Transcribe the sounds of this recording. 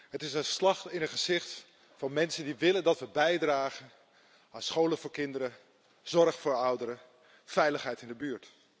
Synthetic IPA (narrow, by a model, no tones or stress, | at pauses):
ɦətɪsənslɑχtɪnəχəzɪχt | fɑnmɛnsəndiʋɪləndɑtʋəbɛjdraːχən | aːnsχowlənvʊːɹkɪndəɾə | z̥ɔɹχfʊːɹʌwdəɾə | fɛjləχɦɛjtɪndəbyːɹt